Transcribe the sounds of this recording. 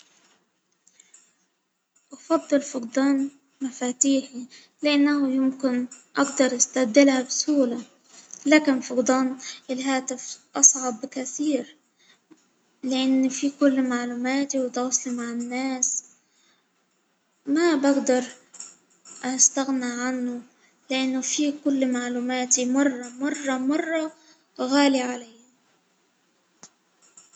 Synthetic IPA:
ʔɑfɑd̪ˤːɨlfʊqd̪ˤɑːn | mafaːt̪iːħi | lɪʔanːahʊjɪmkɪnʔɑɡd̪ɑɾˤʔast̪abd̪ɪlhabsuːla | laːkɪnfʊqd̪ˤɑːnɪlɦaːt̪ɪfʔɑsˤʕɑbkaθiːɾ | lɪʔanːfikʊlːmaʕluːmaːt̪iwɪt̪ɑːsˤlimaʕɪnːaːs | mabaɡd̪ɑɾˤ | ʔast̪aɣnaʕanːʊ | lɪʔanːʊfikʊlːmaʕluːmaːt̪imɑrˤːɑmɑrˤːɑmɑrˤːɑ | ɣaːliʕalajːa

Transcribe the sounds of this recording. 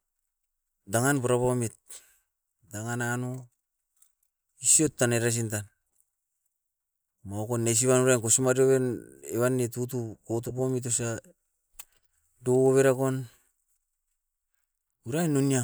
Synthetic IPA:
daŋanpoɾapomit̚ | daŋananu | isiotːaneɾas̬intan | maokonːes̬iβanuɾajnkosimaɾioβeneβanːetutukot̬upomit̬osa | dooβeɾakon | uɾajnonia

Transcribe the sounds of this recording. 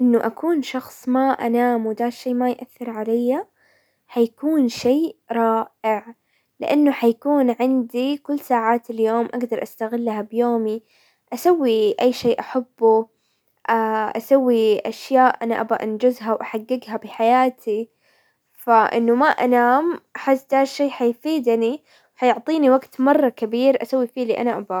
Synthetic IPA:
ʔɪnːʊʔakuːnʃɑxsˤmaʔanaːmwd̪aːʃeːmajʔaθːɪɾˤʕalajːa | ħajakuːnʃeːɾˤɑːʔɪʕ | lɪ̰ʔanːʊħajakuːnʕɪnd̪ikʊlːsaːʕaːt̪ɪljoːmʔaɡd̪ɑɾˤʔast̪aɣɪlːɦabjoːmi | ʔasawːiʔajːʃeːʔaħabːu | ʔaʔa̰sawːiʔaʃjaːʔʔanaʔabaʔand͡ʒʊzɦawʔaħaɡːɪɡɦabɪħajaːt̪ʰi | faʔɪ̰nːʊmaʔanaːmʔaħɪsːd̪haːʃeːħajfiːd̪ni | wħajʊʕt̪ˤiːniwaɡt̪mɑrˤːɑkabiːɾʔasawːifiːliːʔa̰naʔaba

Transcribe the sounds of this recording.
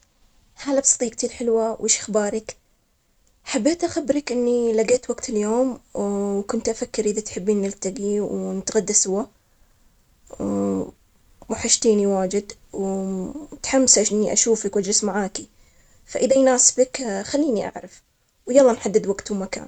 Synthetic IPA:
haːlabsˤɑ̥t̪ˤiːk̚t̪ʰiːɾħɪlwawʔɪːʃʔaxbaːɾˤɪk | ħabːeːt̪ʔaxabːɾɪkʔɪnːilaɡeːt̪waɡt̪ɪljoːmwkʊnt̪ʔafakːɪɾʔɪðat̪ħɪbːiːnːɪlt̪aɡiwnɪt̪ɣad̪ːasʊwa | waħaʃt̪iːniwaːd͡ʒɪd̪w | t̪ħamːsʔaʃʔɪnnːiʔa̰ʃuːfakwʔad͡ʒɾɪsmaʕaːki | faʔɪðajnaːsbakxalːiːniʔa̰ʕɾɪf | wjɑlˤːɑːnħad̪ːɪd̪waɡt̪umaka̰ːn

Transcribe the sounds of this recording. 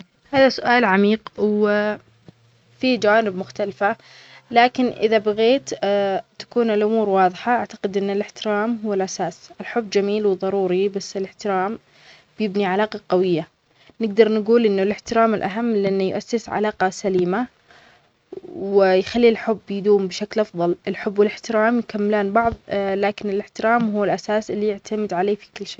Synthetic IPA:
haːðasʊʔaːlʕamiːqw | fid͡ʒawaːnɪbmʊxt̪alfa | laːkɪnʔɪðabaɣeːt̪t̪ːḁkuːnɪlʔʊmuːɾwɑːðˤħaʔaʕt̪ḁqɪd̪ʔɪnːɪlɪħt̪ɪɾaːmɦʊwːɪlʔasaːsʔɪlħʊbːd͡ʒamiːlwðˤɑɾˤuːɾibasːɪlɪħt̪ɪɾaːm | b̥jɪbniʕalaːqɑqɑwɪjːa | nɪɡd̪ɑɾˤnɪɡuːlʔɪnːʊlɪħt̪ɪɾaːmɪlʔa̰ɦamːlɪʔanːjʊʔasːɪsʕa̰laːqɑsaliːma | wɪjxalːilħʊbːjɪd̪uːmbɪʃaklʔɑfðˤɑlɪlħʊbːwɪlɪħt̪ɪɾaːmjkamːɪlaːnbɑʕðˤlaːkɪnɪlɪħt̪ɪɾaːmɦʊwːɪlʔasaːsɪlːijɪʕt̪ʰamɪd̪ʕaleːfi̥kʊlːʃeː

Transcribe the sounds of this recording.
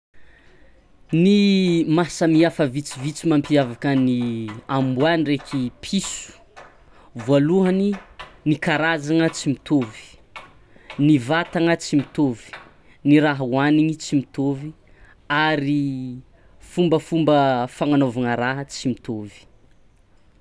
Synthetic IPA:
nimasəmiafəvit͡sivit͡simampiavakəniambuanirekʲʰipʰisu̥ | valuɦəninikaɾazaŋət͡simit̪ovi̥ | nivat̪aŋət͡simit̪ovi̥ | niɾaɦwaniɲit͡simit̪ovi | aɾi | fumbəfumbəfaŋanovaŋəɾaɦət͡simit̪ovi̥

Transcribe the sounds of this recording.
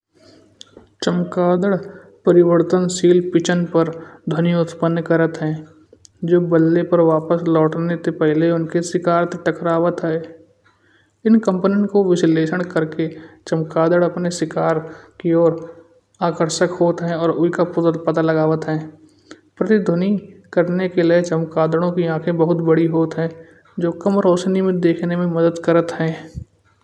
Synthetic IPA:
t͡ʃəmkaːd̪əɽ | pəɾɪʋəɾt̪ənsiːlpɪt͡ʃənpəɾd̪ʱənijoʊt̪pənːkəɾət̪ɦɛ̃ː | d͡ʒoːbəlːepəɾʋaːpəslɔːʈnet̪epɛɦleʊnkesɪkaːɾt̪ʈəkɾaːʋət̪ɦɛː | ɪnkə̃mpnɪnkoʋɪsleːʃəɽ̃kəɾket͡ʃɐmkaːd̪əɽɐpnesɪkaːɾkiɔːɾ | aːkəɾʃəkɦoːt̪ɦɛ̃ɔːɾʊikapʊt̪əlpɐt̪alɐɡaːʋət̪ɦɛ̃ː | pɾət̪ɪd̪ʱʊnikəɾnekelɪet͡ʃɐmkaːd̪əɽ̃õkiãːkʰẽbəɦʊt̪bəɽiɦoːt̪ɦɛ̃ː | d͡ʒoːkɐmɾoːʃnimẽd̪eːkʰnemẽmɐd̪əd̪kɐɾət̪ɦɛ̃ː

